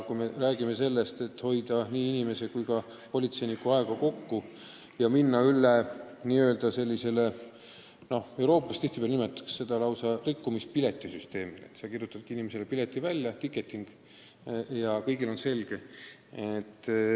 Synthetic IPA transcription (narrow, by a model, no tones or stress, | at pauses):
kujme̞ræːɡime̞se̞lːest̪e̞t̪ːho̞jd̪ɑniːinime̞se̞kujkɑ | po̞lʲit̪se̞jnikːuɑe̞ɡ̥ɑko̞kːu | jɑminːɑylːe | niːøld̪̥ɑse̞lʲːise̞le | no̞he̞wɾo̞ːpːˑɑst̪iht̪ipeælnime̞t̪ːˑɑ̥ksse̞d̪̥ɑlɑwsɑrikːumispile̞t̪ˑːisyst̪e̞ːmil̰ḛt̪ːsɑkirjut̪ːˑɑd̪̚kiinimeselepile̞t̪ːˑivælʲːjɑt̪ikːˑe̞t̪ːˑiŋɡ̥ | jɑkɤ̞jɡilo̞nse̞lɡ̥e̞et̪ːˑ